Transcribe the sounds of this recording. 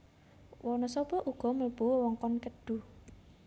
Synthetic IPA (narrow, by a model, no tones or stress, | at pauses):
wʔɔnɔsɔbɔʔuɡ̥ɔ̤məlb̥uwwɔŋkɔnkəɖ̪̥ṳ